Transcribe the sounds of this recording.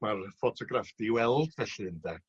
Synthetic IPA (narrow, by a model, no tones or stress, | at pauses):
marfɔtʰɔɡrafd̥iwɛlˠd̥vɛɬɨndɛ